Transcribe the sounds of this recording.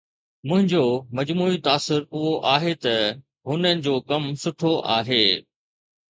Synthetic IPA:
mʊ̃ɦɪ̃ɲd͡ʑoːmɐd͡ʑmuːit̪aːsɪɾʊɦoʔaːɦet̪ɐ | ɦʊnənɪ̆d͡ʑoːkɐmsʊʈʰoʔa̰ːɦeː

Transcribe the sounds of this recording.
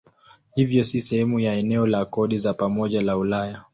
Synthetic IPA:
hivjɔsisɛhɛmujaɛnɛɔlakɔɗizapamɔʄalaulaja

